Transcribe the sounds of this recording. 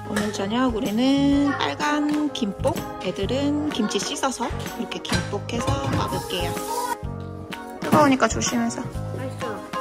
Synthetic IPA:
onɯɭt͡ɕʌɲʌɡuɾinɯnnp͈a̰ɭɡankimp͈ok̚ | edɯɾɯnkimt͡ɕʰiɕ͈is͈ʰʌsʰʌiɾʌkʰe̞kimp͈okʰe̞sʰʌpa̰bɯk͈ejʌ | kɯbʌbɲik͈at͡ɕoɕʰimjʌnsʰʌmaɭso

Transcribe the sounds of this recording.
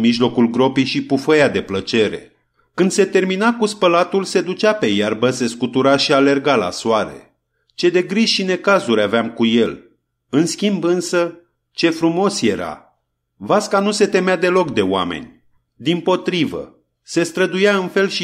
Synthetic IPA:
miʒlo̞kulɡɾo̞pijʃipufəjad̪e̞plət͡ʃe̞ɾe̞̰ | kɨnd̪se̞t̪e̞rminakuspəlat̪ulse̞d̪ut͡ʃape̞jarbəse̞skut̪uɾaʃiale̞rɡala̰soaɾe̞̰ | t͡ʃe̞d̪e̞ɡɾiʒʃine̞kazuɾʲaveamkuje̞l | ɨnskʲimbɨnsə | t͡ʃe̞fɾumo̞sje̞ɾa̰ | vaskanuse̞t̪e̞mead̪e̞lo̞kd̪eoa̰me̞̰nʲ | d̪impo̞t̪ɾivə̰ | se̞st̪ɾəd̪ujaɨnfe̞lʃi

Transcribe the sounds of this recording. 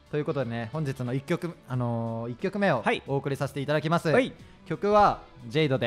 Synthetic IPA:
t̪ojiɯ̟ko̞t̪o̞d̪e̞ne̞hõɲ̟d͡ʑit͡sɨno̞ikʲːokɯ̟ano̞ikʲːo̞kɯ̟me̞o̞aioːkɯ̟ɾʲisaɕe̥t̪e̞it̪ad̪akʲimasɨ | kʲo̞kɯ̟βad͡ʑe̞id̪o̞d̪e̞

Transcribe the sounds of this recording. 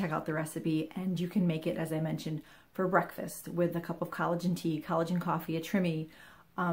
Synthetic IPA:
ɛkaʊt̪̚ðɨɹɛsɨpiʔɨ̃njɨkʰɨ̃nmeɪkɨɾʔɨzaɪmɛ̃nʃɨ̃nd̥ | fə˞bɹɛkfɨ̰st̚wɪðɨkʰʌpʌv̥kʰɑlˠəd͡ʒɨ̃n̩tʰikʰɑlˠəd͡ʒɨ̃nkʰɔfiɨtʰɹ̥ɪ̃mi

